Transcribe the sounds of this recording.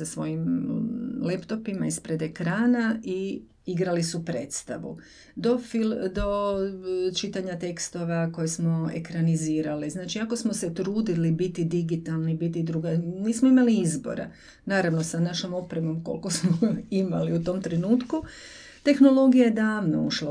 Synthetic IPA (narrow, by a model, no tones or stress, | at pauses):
asʋo̞̰jim | lept̪o̞pimaispɾe̞d̪e̞kɾaːnaʔi | iɡɾalisupɾe̞̰ːt̪st̪aʋṵ | d̪o̞fild̪o̞ | t͡ʃit̪aɲat̪e̞kst̪o̞ʋako̞jesmo̞ḛkɾaniziːɾaliznaːt͡ʃiako̞smo̞se̞t̪ɾuːd̪ilibit̪id̪iɡit̪alˠnibit̪id̪ɾuɡaniːsmoimaliizbo̞̰ɾḛ | naːɾaʋno̞sanaʃomo̞pɾemo̞mko̰lko̞smoima̰liut̪o̞mt̪ɾenuːt̪ku | t̪e̞xno̞lo̞ɡijajed̪aːʋno̰uʃla